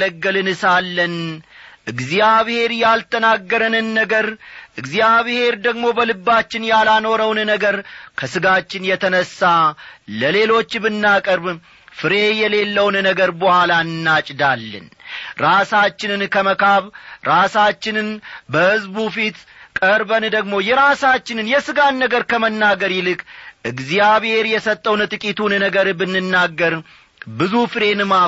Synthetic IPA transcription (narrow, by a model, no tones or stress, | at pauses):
ləɡːəlɨnɨsalːənʔɨɡzijaβhe̞ɾjalt̪ʰənaɡːəɾənɨnːəɡəɾʔɨɡzijaβhe̞ɾd̪əɡmo̞bəlɨbːat͡ʃːɪnjalano̞ɾəwnnəɡəɾkʰəsɨɡat͡ʃːɪnjɛt̪ʰənəsːaləle̞lo̞t͡ʃːbɨnːakʼəɾb | fɨɾe̞jɛle̞lːəwnnəɡəɾbəhalaɨnːat͡ʃʼd̪alːə̰nɾasat͡ʃːɪnɨnkʰəməkʰaβɾasat͡ʃːɪnɨnbəhɨzbufit̪kʼəɾbənd̪əɡmo̞jɛɾasat͡ʃːɪnɨnjɛsɨɡanːəɡəɾkʰəmənːaɡəɾjɪlɨkʰʼʔɨɡzijaβhe̞ɾjɛsət̪ʼːəwnt̪ʼɨkʼit̪ʰunnəɡəɾbɨnːɨnːaɡːəɾ | bɨzufɨɾe̞nɨma